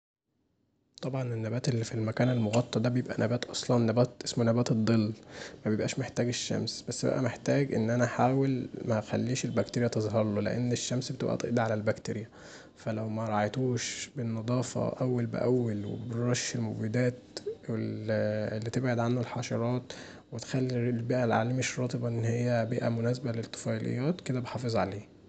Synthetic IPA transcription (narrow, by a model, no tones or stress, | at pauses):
t̪ˤɑbʕɑnenːæbæːt̪elːifilmækæːnelmoɣɑt̪ˤːɑd̪æbejebʔæ̰nʔæbæːt̪ʔɑsˤlɑnːæbæːt̪ʔesmonæbæːt̪ed̪ˤːelːmæbejebʔæːʃmeħt̪æːɡeʃːæ̰msbæsːbæ̰ʔæ̰meħt̪æːɡʔḛnːʔænæħaːwelmæxælːiːʃelbækt̪eɾejæt̪ezˤɦɑɾˤlolḛʔḛnːeʃːæmsbet̪ebʔæ̰t̪ḛʔd̪ʕalælbækt̪eɾejæ | fælæwmæɾˤɑʕɑjt̪uːʃbenːɑd̪ˤɑːfɑ̰ʔæwːælbḛʔæwːelwḛbɾˤɑʃelmobid̪æːt̪e | lːit̪ebʕed̪ʕanːælħɑʃɑɾˤɑːt̪ | wet̪xælːilbiːʔælʕa̰liːmeʃɾˤɑːt̪ˤebɑʔenːhejːæbiːʔæmonæːs̬ebælet̪ˤːo̥fɑlḛjːæːt̪ked̪æbeħɑːfezˤʕaleː